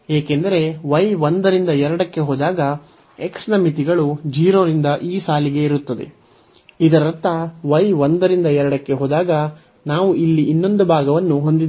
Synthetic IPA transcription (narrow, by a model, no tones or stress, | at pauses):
eːkend̪ɐɾe̞ʋɐjʋond̪ɐɾind̪ɐɛɾɐɽɐkːe̞ɦoːd̪aːɡɐ | eksnɐmit̪iɡɐɭud͡ʒiːɾo̞ːɾind̪ɐʔiːsaːliɡe̞iɾut̪ːɐd̪e̞̰ | id̪ɐɾɐɐt̪ːɐʋɐjʋond̪ɐɾind̪ɐɛɾɐɽɐkːe̞ɦoːd̪aːɡɐ | naːʋuʔilːiʔːnːo̞nd̪ubʱaːɡɐʋɐnːuɦo̞nd̪id̪